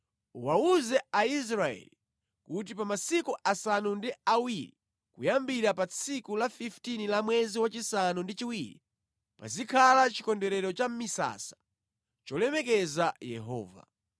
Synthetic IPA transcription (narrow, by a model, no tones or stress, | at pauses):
uwauzɛais̬ɾaɛ̰li | kut̬ipamasikuʔasanundiawiɾi | kujambiɾapat͡sʰikulafiftinilamwɛziwat͡ʃisanundit͡ʃiwiɾḭ | pa̰zikʰalat͡ʃikɔndɛɾɛɾɔt͡ʃam̩misa̰sḁ | t͡ʃɔlɛmɛk̬ɛzajɛɦɔ̰ːva̰